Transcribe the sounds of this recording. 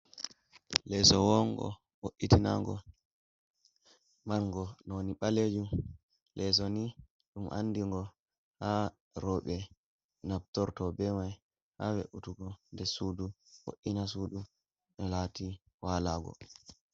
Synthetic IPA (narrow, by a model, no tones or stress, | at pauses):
lɛsɔwɔŋɡɔ̰ | woʔːitina̰ŋɡɔ | manŋɡɔnɔniɓaled͡ʒum | lʔɛs̬ɔni | ɗumʔa̰nːdiŋɡɔ | ha | ɾɔɓɛ | nab̚tɔɾtɔbɛmaj | hawḛʔutuɡɔndɛsudu | ho̰ʔinasuːdu | ɗɔlati | waːlaɡɔ̰